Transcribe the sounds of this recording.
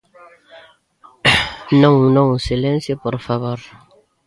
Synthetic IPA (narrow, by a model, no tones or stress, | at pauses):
nõŋũnõŋusilẽnsjopoɾfaβoɾ